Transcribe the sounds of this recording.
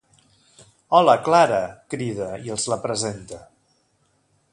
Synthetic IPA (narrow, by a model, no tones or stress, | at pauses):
ɔləklaɾəkɾið̞əiəlˠzləpɾəzent̪ə